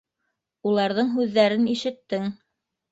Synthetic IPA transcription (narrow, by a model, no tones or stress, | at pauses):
ulˠɑɾðɤɴɦʉðːæɾɘniʃɘ̆t̪ːɘŋ